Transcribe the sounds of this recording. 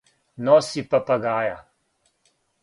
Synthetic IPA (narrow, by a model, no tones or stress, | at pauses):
nɔːsipapaɡaːja